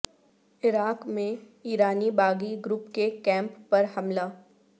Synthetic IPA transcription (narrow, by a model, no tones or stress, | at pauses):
ɪɾaːkmẽ | iːɾaːnibaːɡiɡɾʊpkekɛ̃ːmpːɐɾhɐmlaː